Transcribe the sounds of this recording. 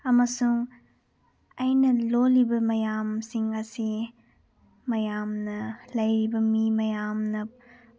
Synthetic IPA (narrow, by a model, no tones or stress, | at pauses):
ɐmɐsuŋ | ɐjnɐlolibɐmɐjamsiŋɐsi | mɐjamnɐlɐjɾibɐmimɐjamnɐ